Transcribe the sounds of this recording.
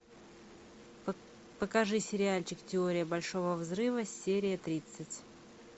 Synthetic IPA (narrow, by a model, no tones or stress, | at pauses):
pəkɐʐɨsʲɪɾʲɪalʲt͡ɕɪktʲɪo̞ɾʲɪjəbɐlʲʂovəvzɾɨvəsʲːeɾʲɪjət̪ɾʲit̪sɨtʲ